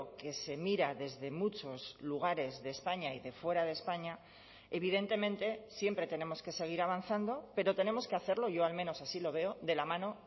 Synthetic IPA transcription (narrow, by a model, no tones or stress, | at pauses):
ke̞se̞miɾaðe̞zðe̞mut͡ʃo̞zluɣ̞aɾe̞zðeːspaɲaiðe̞fwe̞ɾaðe̞spaɲa | e̞βiðe̞nt̪e̞mẽ̞nt̪e̞sje̞mpɾe̞t̪e̞ne̞mo̞ske̞se̞ɣ̞iɾaβ̞an̟θand̪o̞pe̞ɾo̞t̪e̞nemo̞ske̞aθe̞ɾlo̞ʝo̞almẽno̞sasilo̞β̞e̞o̞ðe̞lamãno̞